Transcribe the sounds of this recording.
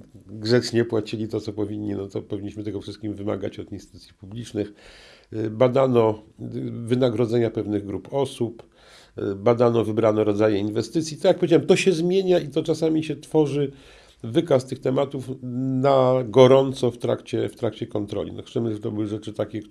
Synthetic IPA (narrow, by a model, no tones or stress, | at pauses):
ɡʐɛt͡ʂɲɛpwat͡ɕilʲit̪ɔt̪sɔpɔvʲiɲːinɔt̪ɔpɔvʲiɲːiɕmɘt̪ɛɡɔfʂɨst̪̚kʲimvɘma̰ɡa̰t͡ɕɔt̪inst̪ut̪sʲjipublʲit͡ʂnɘx | bad̪anɔ | vɘnaɡɾɔd̪zɛɲapɛvnɘɣɡɾupɔsup | bad̪anɔvɘbɾanɔɾɔd̪zajɛinvɛst̪ɘt̪sʲjit̪jakpɔvʲjed͡ʑawɛmt̪ɔɕɛzmʲjeɲait̪ɔt͡ʂasamʲiɕɛt̪fɔʐɘ | vɘkast̪ɘxt̪ɛmat̪ufnaɡɔɾɔnt̪sɔft̪ɾa̰kt͡ɕɛft̪ɾakt͡ɕɛkɔnt̪ɾɔ̰lʲḭnɔ̰xsɛmɘʐɛt̪ɔbɘwɘʐɛt͡ʂɘt̪akʲɛk